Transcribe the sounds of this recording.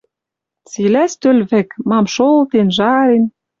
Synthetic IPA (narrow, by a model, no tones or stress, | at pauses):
t͡silæst̪ølβɘ̆kmɑmʃolt̪enʒɑɾen